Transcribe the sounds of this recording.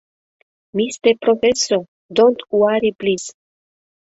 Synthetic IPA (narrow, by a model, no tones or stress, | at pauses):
mist̪epɾofeso | d̪ont̪uaɾiplis